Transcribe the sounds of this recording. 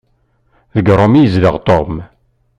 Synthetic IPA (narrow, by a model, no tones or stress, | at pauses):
ðəɡɾˤomijəzləʁt̪ˤom